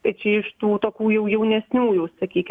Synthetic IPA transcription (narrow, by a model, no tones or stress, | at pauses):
t̪ɐɪt͡ʃʲɛɪʃt̪uːt̪oːkʲuːjɛʊjɛʊnʲɛsʲnʲuːjuːssɐkʲiːkʲɪ